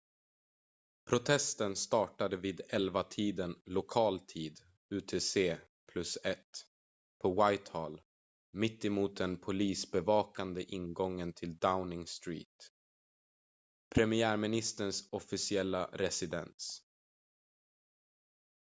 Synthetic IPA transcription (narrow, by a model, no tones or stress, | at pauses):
pʰɾʊt̪ʰɛst̪ənst̪ɑːʈad̪əviːd̪ɛlvat̪ʰiːd̪ənlʊkʰɑːlt̪ʰiːd̪ | ʉːt̪ʰeːseː | pʰlɵsɛt̪ | pʰɔwajt̪hɔːl | mɪt̪ːɪmuːt̪̚d̪ɛnpʰʊliːsbɛvɑːkand̪əʔɪnɡɔŋːənt̪ʰɪld̪aʊnɪŋst̪ɾḭːt̪ | pʰɾɛmɪæːɾmɪnɪst̪əɳsɔfɪsɪɛlːa̰ɾɛsɪd̪ɛ̰ns